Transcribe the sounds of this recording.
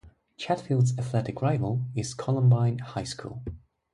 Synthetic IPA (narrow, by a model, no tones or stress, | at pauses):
t͡ʃʰætfilˠdzəθlɛɾɪkʰɹaɪvəlˠɪz̥kʰɑlˠə̃mbãɪ̃nhaɪskʰṵːlˠ